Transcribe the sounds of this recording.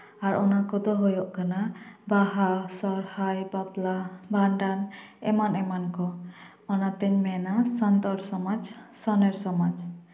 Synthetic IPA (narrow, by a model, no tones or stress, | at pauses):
aɾɔnakɔd̪ɔɦojɔʔkanabaɦasɔɾhajbaplabʱaɳɖan | ɛ̰manɛmankɔ | ɔnat̪ɛɲmɛnasɔnt̪ɔɾsɔmad͡ʒsɔneɾsɔmad͡ʒ